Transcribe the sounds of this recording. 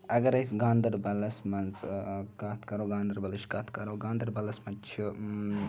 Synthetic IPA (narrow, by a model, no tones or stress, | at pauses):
ɐɡɐɾɐjsɡaːnd̪ɐɾbɐlɐsmɐnzkaːt̪ʰkɐɾoːɡãːnd̪ɐɾbɐliʃkat̪ʰkɐɾoːɡãːnd̪ɐɾbɐlɐsmɐt͡ʃʰu